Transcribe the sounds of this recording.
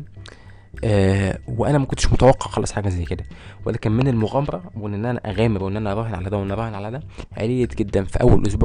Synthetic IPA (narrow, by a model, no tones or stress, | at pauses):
ʔæweʔænæmækont̪ʃmot̪æwɑqːɑʕxɑlɑsˤħaːɡæzæjːked̪æwelæːkænmenelmoɣæmɑɾˤɑwʔenːʔenːʔænæ̰ʔæɣæːmeɾwʔenːʔænæʔɑɾˤɑːhenʕalæd̪æwʔænæʔɑɾˤɑːhenʕalæd̪æʕḛlejːæɡed̪ːænfḭʔæwːælʔos̬buːʕ